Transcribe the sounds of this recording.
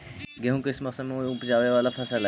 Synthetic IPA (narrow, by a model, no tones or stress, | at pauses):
ɡeɦũːkɪsmɐksəd̪mẽpd͡ʒaːʋeʋaːlapʰəsəl